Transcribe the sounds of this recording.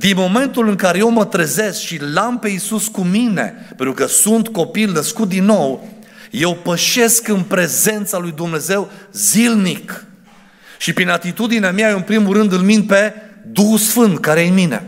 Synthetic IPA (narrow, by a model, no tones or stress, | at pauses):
d̪inmo̞me̞nt̪ulɨŋkaɾe̞je̞wmət̪ɾeze̞skʃilampe̞isuskumine̞̰ | penɾukəsunt̪ko̞pilnəskut̪̚d̪inːo̞wje̞wpəʃe̞skɨnpɾe̞ze̞nt̪salujd̪umne̞ze̞wzilnik | ʃipɾinat̪it̪ud̪ineameaɨnpɾimuɾɨnd̪ɨlmind̪̚pe̞d̪uxusfɨnt̪kaɾejnmine̞̰